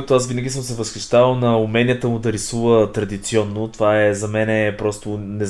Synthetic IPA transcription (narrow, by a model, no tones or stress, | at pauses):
kt̪ʊasvinəɡʲisəmsɛvəsxiʃt̪avəlˠnɐumɛnijət̪əmʊd̪ɐɾisuvət̪ɾɐd̪it̪siɔnːot̪ovaɛzɐmɛnɛpɾɔst̪ʊnɛz